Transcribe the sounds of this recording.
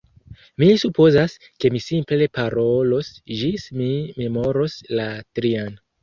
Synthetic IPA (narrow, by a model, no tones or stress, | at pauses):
misupo̞zas | ke̞misimple̞paɾo̞lo̞sd͡ʒismime̞mo̞ɾo̞slatɾian